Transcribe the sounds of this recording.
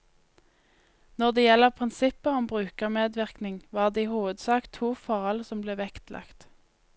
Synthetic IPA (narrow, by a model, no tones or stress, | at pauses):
nɔʁd̪eːjɛləʁpʰʁɪnsɪpəɔmbʁʉːkəʁmeːd̪ʋɪʁknɪŋʋɑːʁd̪eːiːhuːʋəd̪sɑːkt̪ʰuːfɔʁɔlsɔmbleːʋɛkt̪lʔɑ̰kt̪